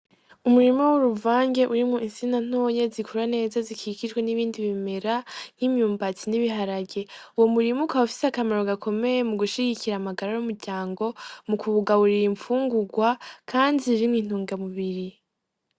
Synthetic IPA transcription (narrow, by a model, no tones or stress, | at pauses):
umuɾimowoɾuvaːŋɡe̞ʔuɾimŋuinsinan̥o̞ːje̞zikʰuɾane̞ːzazikʰikiʒɡweniβiːndiβimeɾan̥imjuːmbat͡siniβiɦaɾaɡe̞uwo̞muɾimukaufi̥seakamaɾoɡakʰo̞me̞je̞muɡuʃiɡiciɾaːmaɡaɾajumuɾɟaːŋɡo̞mukʰuβuɡaβuɾiɾiɱfuːŋɡuɡwakʰaːndiɾimwin̥uːŋɡamuβiɾi